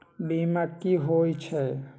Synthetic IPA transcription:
bimakːiɦojt͡ʃʰe

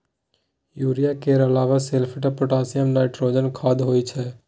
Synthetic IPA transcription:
juɾijakeəɾəlaːʋaselpʰəʈapoʈasijəmnaɪʈɾod͡ʒənkʰaːd̪ɦojt͡ʃʰɛ

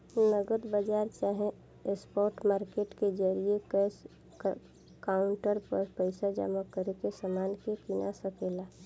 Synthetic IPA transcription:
nəɡəd̪bəd͡ʒaːɾt͡ʃaːɦẽ | espɔːɾʈmaːɾkeːʈked͡ʒəɾiekə | kaʊɳʈəɾpəɾpəɪsad͡ʒa̰məkəɾekesamaːnkekinasəkeːla

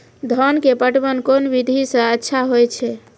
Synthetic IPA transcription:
d̪ʱɔnkepəʈbənkonbid̪ʱisə̃ətːʃʰaɦojt͡ʃʰɛ

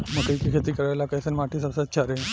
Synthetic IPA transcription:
məkaikikʰet̪iːkəɾajlakajsənmaʈʰiːsəbsat̪̚t͡ɕʰaɾe

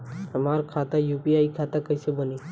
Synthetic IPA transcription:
ɦəmaːɾkʰat̪ajuːpiaːikʰat̪akəjsebəniː

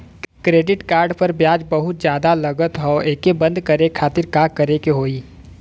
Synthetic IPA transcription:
kɾeːɖɪʈkaːɾɖpɐɾbjaːd͡ʒbɐɦʊt̪d͡ʒjaːd̪alɐɡət̪ɦɔeːkebɐ̃nd̪ʱkɐɾekʰaːt̪ɪɾkaːkɐɾekeɦoːiː

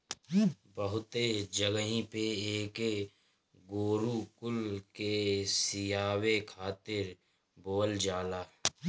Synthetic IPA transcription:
bəɦʊt̪ed͡ʒəɡɦĩpeeːke | ɡoːɾukʊlkesɪjaːwekʰaːt̪ɪɾ | boːld͡ʒaːlaː

